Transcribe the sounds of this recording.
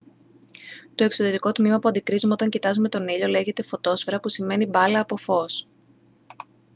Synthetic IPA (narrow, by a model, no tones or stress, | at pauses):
t̪o̞eksoðeɾiko̞t̪mimɐpuɐnd̪ikɾizumeo̞t̪ɐɲcit̪ɐzume̞t̪o̞niʎo̞le̞ʝe̞t̪e̞fo̞t̪o̞sfeɾɐpusime̞nibɐlɐːpo̞fo̞s